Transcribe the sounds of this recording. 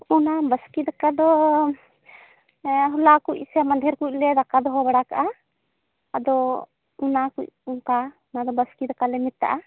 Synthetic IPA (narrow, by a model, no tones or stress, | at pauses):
unabəskid̪akad̪ɔ | ɦɔlakucsɛmand̪ʱɛɾkuc̚lɛd̪akad̪ɔɦɔbaɽakaʔaː | d̪ɔ | unakuc̚uŋka | nad̪ɔbəskid̪akalɛmit̪ːa̰ʔa